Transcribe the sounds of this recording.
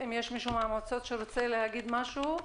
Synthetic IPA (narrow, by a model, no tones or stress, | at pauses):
imjeʃmiʃumeaːmot͡so̞t̪ʃeɾot͡selehaɡid̪maʃu